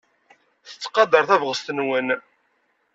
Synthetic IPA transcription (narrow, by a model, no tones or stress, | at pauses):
θə̥t͡sːqɑd̪əɾˤθævʁəst̪ənwən